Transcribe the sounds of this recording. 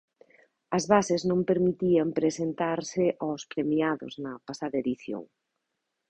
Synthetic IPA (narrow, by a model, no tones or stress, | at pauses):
ɐzβasɪznõmpeɾmit̪iɐmpɾesent̪aɾsɪʔawspɾemiaðʊ̰znɐpasaðɐeðiθjo̰ŋ